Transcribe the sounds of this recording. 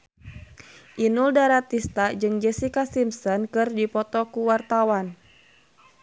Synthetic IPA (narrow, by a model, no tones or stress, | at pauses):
ʔinuldaɾat̪ist̪ad͡ʒɨŋd͡ʒɛsikasimpsɔnkɨrdipɔt̪ɔkuwart̪awan